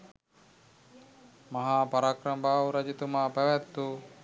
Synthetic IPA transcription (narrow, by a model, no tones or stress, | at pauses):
maɦaːpaɾakɾɐmbaːwɾad͡ʒit̪umapæʋɛt̪ːu